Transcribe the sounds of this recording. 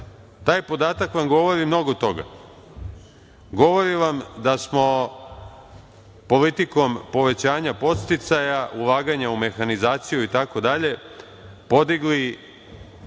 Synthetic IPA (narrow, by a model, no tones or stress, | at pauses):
t̪aːjpo̞d̪aːt̪akʋamɡo̞ʋo̞ɾimno̞ɡo̞t̪o̞ɡa̰ | ɡo̞ʋo̞ɾiʋamd̪asmo̞ | po̞lit̪iko̞mpo̞ʋe̞t͡ɕaːɲapo̞t̪st̪it̪sajaʔulaːɡaɲaume̞xanizaːt̪sijuit̪ako̞d̪aʎe̞ | po̞d̪iɡli